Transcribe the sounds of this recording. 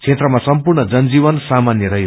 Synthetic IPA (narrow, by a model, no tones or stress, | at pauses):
t͡sʰet̪rʌmasʌmpurɳʌd͡zʌnd͡ziβʌnsamanjʌɾʌɦj